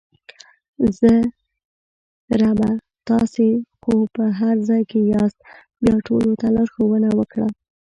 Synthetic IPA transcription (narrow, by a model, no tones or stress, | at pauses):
zə | ɾaba | t̪ɑsexopəɦaɾzɑjkejɑst̪̚ | bjɑʈʰolot̪alɑɾxowənawəkɽa